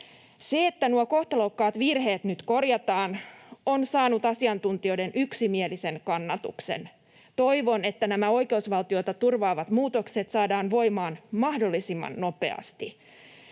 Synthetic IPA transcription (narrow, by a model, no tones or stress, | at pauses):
se̞et̪ːænuoko̞ht̪olowkːɑːt̪ʋirhe̞ːt̪nyt̪ko̞rjɑt̪ɑːnonsɑːnut̪ɑsiɑnt̪unt̪io̞jde̞nʔyksimielise̞nkɑnːɑt̪ṵksḛn | t̪o̞jʋo̞ne̞t̪ːænæmæo̞jke̞usʋɑlt̪io̞t̪ɑt̪urʋɑːʋɑt̪muːt̪okse̞t̪sɑːdɑːnʋo̞jmɑːnmɑhdo̞lːisimːɑ̰nːo̞pe̞̰ɑ̰st̪i